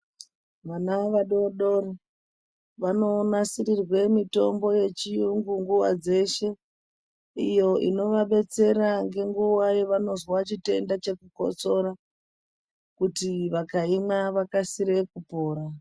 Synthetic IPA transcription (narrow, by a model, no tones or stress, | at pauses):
ʋanaʋaɗo̞ɗori | ʋano̞ːnasiɾirwe̞mito̞mbo̞je̞t͡ʃiuŋɡuŋɡuwa̰d͡ze̞ʃe̞ | ijo̞ḭno̞ʋaɓe̞t͡se̞ɾaŋɡe̞ŋɡuwajeʋano̞zwat͡ʃite̞ndat͡ʃe̞kuko̞̰t͡so̞ɾa | kutiʋakaimaʋakasiɾe̞kupo̞ːɾa